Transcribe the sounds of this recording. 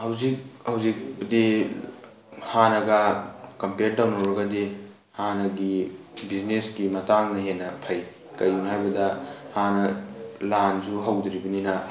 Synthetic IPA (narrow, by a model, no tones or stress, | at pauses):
hɐwzik̚hɐwzik̚bdi | hanɐɡɐkɐmpeɾ̚dawnɐwɾɐɡɐde | hanɐɡibiznesɡimɐtaŋnɐɦenːɐpʰɐj | kɐjunɦajbɐdɐhanɐland͡ʒuɦɐwd̪ɾibɐninɐ